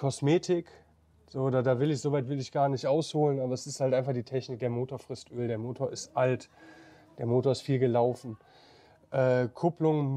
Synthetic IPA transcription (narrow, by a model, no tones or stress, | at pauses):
kʰɔsmeːtʰɪk | z̥oːdaːdaːvɪlɪçz̥oːvaɪtv̥ɪlɪçɡ̥aːɐnɪçtʔaʊshoːlənʔaːbɐɛsɪsthaltʔaɪnfaχd̥iːtʰɛçnɪk̚d̥eːɐmoːtoːɐfʁ̥ɪstʔøːldeːɐmoːtʰoːɐɪstʔalt | d̥eːɐmoːtoɐɪstfiːlɡəlaʊfn̩ | ʔɛːkʰʊplʊŋ